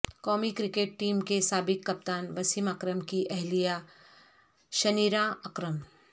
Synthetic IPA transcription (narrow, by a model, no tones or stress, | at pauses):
kɔːmikɾɪkeːʈ̚ːiːmkesaːbɪkːɐp̚t̪aːnʋɐsimakɾəmkiʔɛɦlija | ʃɐniːɾãɐkɾəm